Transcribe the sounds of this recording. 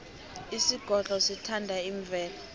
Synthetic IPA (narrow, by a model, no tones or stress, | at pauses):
isiɡ̥ʱɔɮʼɔsitʰandʱaiɱb̪vʱɛːla